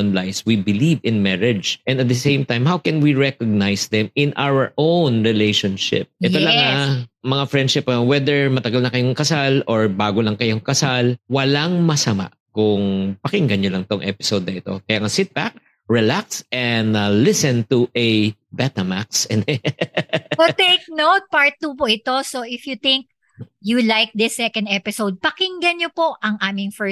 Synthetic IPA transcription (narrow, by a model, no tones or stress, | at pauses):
nlajswibɪlivɪ̃nmɛɹɪd͡ʒʔɛ̃nd̪ɐt̪̚d̪ɐsẽjmt̪ãjmhawkɛ̃nwiɹɛkoɡ̚najsd̪ɛmɪ̃nʔawəɹʔownɹɪlejʃonʃɪ̰p̚ʔʔɛt̪olɐŋːamɐŋafɹɛ̃nd̪ʃɪpowɛd̪ɛɹmɐt̪ɐɡalnɐkɐjoŋkɐsalɔɹbaːɡolɐŋkɐjoŋkɐsalwɐlaŋmɐsɐma̰ʔkʊŋpɐkɪŋɡɐnɲolɐŋɪt̪oŋʔɛpɪ̥sowd̪̚nɐʔɪt̪o̞̰kɐjaːŋɐsɪt̪̚bak̚ | ɹɛlak̚sɛnd̪lɪsɛnt̪uʔɛbɛt̪ɐmaksɛnɛ | pot̪ejk̚nowt̪̚paɹt̪̚ːupoʔɪt̪o̞soʔɪfjut̪ɪ̃ŋk̚ | julajk̚d̪ɐsɛkɐ̃nd̪ɛpɪsowd̪̚pɐkɪŋɡɐnɲopo̞ʔɐŋʔaːmɪŋfɛ